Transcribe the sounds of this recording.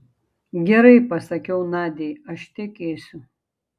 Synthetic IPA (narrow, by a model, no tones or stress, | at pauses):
ɡʲɛɾɐɪpɐsɐkʲɛʊnɑːd̪ʲejɐʃt̪ʲɛkʲeːsʲʊ